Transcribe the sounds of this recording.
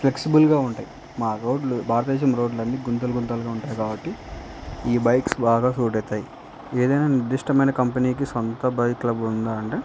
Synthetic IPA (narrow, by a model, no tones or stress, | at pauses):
pleksibɐlɡaːuɳʈaːji | maːɾoːɖlubʱaːɾɐt̪ɐd̪ɛːʃ̬ɐmɾo̞ːɖlɐnːiɡunt̪ɐlɐɡunt̪̬aːlɡaːuɳʈaːjɐkaːbɐʈːi | iːbɐjksbaːɡaːsuːʈ̬ɛːt̪ːaːji | eːd̪ɐjnaːniɾd̪uʂʈɐmɐjnɐkɐmpɐniːk̬isɔnt̪ɐbɐjklɐbund̪aːɐɳʈeː